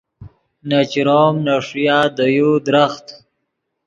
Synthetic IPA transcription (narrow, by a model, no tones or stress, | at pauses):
nat͡ʃɾoːmnaʂjaːd̪əjud̪ɾaxt̪